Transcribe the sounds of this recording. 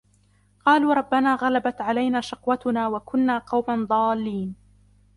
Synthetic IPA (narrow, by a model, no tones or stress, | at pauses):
qɑːluːɾˤɑbːanaːɣalabat̪ʕalajnaːʃɑqwat̪ʊnaːwakʊnːaːqɑwmand̪ˤɑːlːiːn